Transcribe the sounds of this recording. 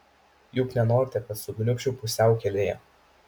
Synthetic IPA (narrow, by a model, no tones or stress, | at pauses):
jʊknʲɛnoːɾʲɪt̪ʲɛkɐt̪sʊɡnʲʊkʃt͡ʃʲʊpʊsʲɛˑʊkʲɛlʲeːjɛ̰